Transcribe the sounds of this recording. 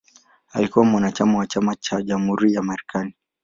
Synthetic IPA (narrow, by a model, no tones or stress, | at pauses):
a̰likuwamwanat͡ʃamawat͡ʃamat͡ʃaʄamhuɾijamaɾɛkʰani